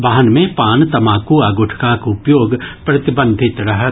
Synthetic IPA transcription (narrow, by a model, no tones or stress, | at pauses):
baːɦənmẽpaːnt̪ɐmãːkuaːɡʊʈʰkakʊpjoːɡpɾɐt̪ɪbə̃nd̪ʱɪt̪ɾɐɦə